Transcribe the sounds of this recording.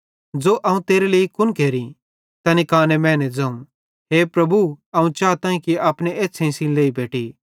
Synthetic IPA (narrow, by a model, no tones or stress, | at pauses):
d͡zoːʔɐũt̪eːɾeleːikʊnkeːɾĩ | t̪ɐnikaːnemɛ̃ːnɛd͡zɐ̃ːũ | ɦeːpɾɐbʱuɐũt͡ʃaːt̪ãːĩkiaːpneeːsʰẽĩsĩleːibeːʈi